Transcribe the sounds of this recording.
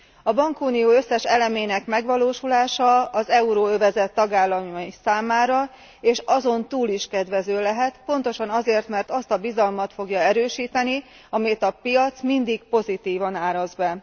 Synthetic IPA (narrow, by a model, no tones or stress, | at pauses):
ɒbɒŋkuːnijoːø̞sːɛʃɛlɛmeːnɛkmɛɡʋɒloːʃulaːʃɒɒzɛuɾoːøvɛzɛt̪ːɒɡaːlːɒmsaːmaːɾɒ | eːʃɒzo̞nt̪uːliʃkɛd̪ʋɛzøːlɛɦɛt̪po̞nt̪o̞ʃɒnɒzeːrt̪mɛrt̪ɒst̪ɒbizɒlmɒt̪fo̞ɡjɒɛɾøːʃiːt̪ɛni | ɒmit̪ɒpijɒt̪smind̪ik̚po̞zit̪iːvɒnaːɾɒzbɛ